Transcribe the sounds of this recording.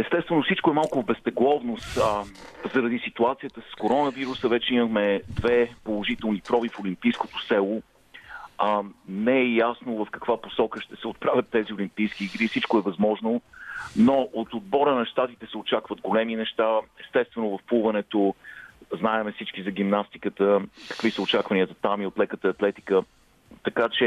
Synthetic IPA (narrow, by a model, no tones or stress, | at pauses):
ɛst̪ɛst̪vɛnofsit͡ʃkoɛmalˠkʊvbɛst̪ɛɡlˠɔvnost̪ | zɐɾɐd̪isit̪uat̪sijət̪əsə̥skoɾɔnəviɾusəvɛt͡ʃɛiməxmɛd̪vɛpolˠoʒit̪ɛlˠnipɾɔvifolimpijskot̪osɛlˠo | nɛɛjasnovɐfkɐkvaposɔkəʃt̪ɛsɛot̪̚pɾavʲjɐt̪ːɛziʊlimpijskiːɡɾifsit͡ʃkoɛvɐzmɔʒnonoʔot̪od̪̚bɔɾənɐʃt̪at̪it̪ɛsɛot͡ʃakvəd̪ɡolɛminɛʃt̪aɛst̪ɛst̪vɛnovəfpuvɐnɛt̪o | znaɛmɛfsit͡ʃkizɐɡ̟imnast̪i̥kət̪əkə̥kvisəʊt͡ʃakvɐniəzɐt̪amiot̪lɛkət̪əɐt̪lɛt̪i̥kə | t̪ɐkat͡ʃɛ